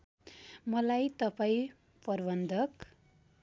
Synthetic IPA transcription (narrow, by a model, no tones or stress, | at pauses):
mʌlajt̪ʌpaĩ | pʌrbʌnd̪ʱʌk